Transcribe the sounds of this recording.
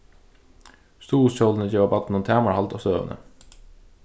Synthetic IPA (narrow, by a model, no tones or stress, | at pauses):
st̪uːʊsçɔln̩əɪçəʋɑbɑt̪n̩ʊmt̪ʰæːmɑɹhɑlt̪ʰoːsøːʋə̰nə̰